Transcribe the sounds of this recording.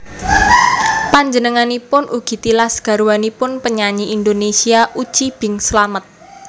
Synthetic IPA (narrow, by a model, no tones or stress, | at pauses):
paɲd͡ʒənəŋanipʊnʔuɡ̥i̤t̪ilasɡ̥a̤ɾuwanipʊnpəɲaɲiʔind̪onesiaʔu̥t͡ʃib̥ɪ̤ŋslamət̪̚